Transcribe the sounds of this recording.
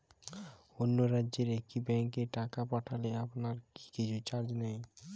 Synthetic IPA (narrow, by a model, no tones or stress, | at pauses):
onːoɾadʑeɾek̚ibɛŋkeʈakapaʈʰaleapnaɾki̥kit͡ɕʰut͡ɕaɾd͡ʑnej